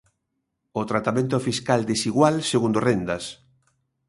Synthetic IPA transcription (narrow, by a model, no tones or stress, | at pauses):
ot̪ɾat̪amẽnt̪̬ofiskald̪esiɣwalseɣund̪orend̪ɐs